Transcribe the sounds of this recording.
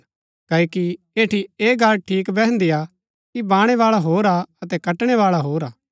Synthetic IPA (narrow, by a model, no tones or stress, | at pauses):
kɐːoːki | eːʈʰieːɡalʈʰiːkbɛɦə̃nd̪ɪja | kibaːɽ̃eʋaːɭaɦoːɾaɐt̪ɛkɐʈɽ̃eʋaːɭaɦoːɾaː